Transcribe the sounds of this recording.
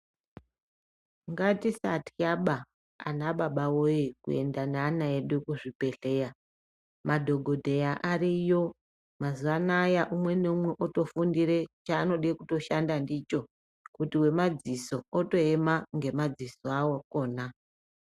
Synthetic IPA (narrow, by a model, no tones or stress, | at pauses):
ŋɡatisatʰijaɓa | a̰naɓaɓawojikṵe̞̰ndanaːnaeɗekuʐipe̞ɬe̞ja | madʱo̞ɡʱo̞dʱejaʔaɾijo̞ | mazuʋanajaʔumwe̞ne̞umwe̞ʔoto̞fundiɾe̞t͡ʃaːno̞ɗekuto̞ʃandandit͡ʃo̞ | kutiwe̞mad͡ziso̞oto̞e̞maŋɡe̞mad͡zisoawoko̞ːna